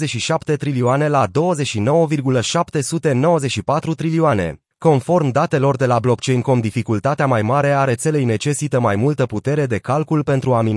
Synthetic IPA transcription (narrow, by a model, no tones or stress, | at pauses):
zeʃiʃapt̪e̞t̪ɾilioane̞lad̪o̞wəze̞ʃino̞wəvirɡuləʃapt̪e̞sut̪e̞no̞wəzeʃipat̪ɾut̪ɾilioane̞̰ | ko̞nfo̞rmd̪at̪e̞lo̞rd̪e̞lablo̞kt͡ʃe̞jnkomd̪ifikult̪at̪eamajmaɾe̞aɾe̞t̪se̞le̞jne̞t͡ʃe̞sit̪əmajmult̪əput̪e̞ɾe̞d̪e̞kalkulpe̞nt̪ɾuamin